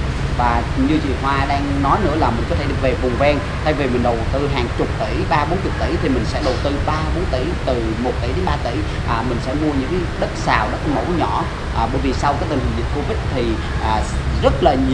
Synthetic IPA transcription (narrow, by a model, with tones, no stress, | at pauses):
vaː˨˩ɲɨ˧t͡ɕḭ˧˨nɦwaː˧ɗaː˧ŋnɔ˨˦jnɨ̰˧˥əlaː˨˩mï̟˨˩kɔ˨˦t̪ʰe˧˩ve˨˩vʊ˨˩ŋ͡mvɛ˧ŋ | t̪ʰa˧jvi˨˩mï˨˩ŋ̟ɗə˨˩t̪ɨ˧ɦaː˨˩ŋt͡ɕʊ˨˩k͡p̚t̪i˧˩jɓaː˧ɓo˨˦nt͡ɕʊ˨˩k͡p̚t̪ḭ˧˩˦jt̪ʰi˨˩mï˨˩ŋ̟sɛ̰˧˥ɗo̰˨˩wt̪ɨ˧ɓaː˧ɓo˨˦nt̪i˧˩t̪ɨ˨˩mo˨˩t̚t̪ḭ˧˩˨ɗe˨˦nɓaː˧t̪ḭ˧˩ | ʔːmï˨˩ŋ̟sɛ̰˧˥mu˧əɲɨ̰˧˥ŋkːɗə˦˥t̚saː˨˩wɗɔ˨˦kːmə̰˧˩wɲɔ˧˥˨ | ʔːɓə̰ː˧˦jvi˨˩sa˧wkaː˦˥k̚t̪i˨˩ŋhï˨˩ŋvḭ˨˩n̚ko˧vi˦˥t̚t̪ʰi˨˩ | ʔaː˨˩zə˦˥t̚laː˨˩ɲ˨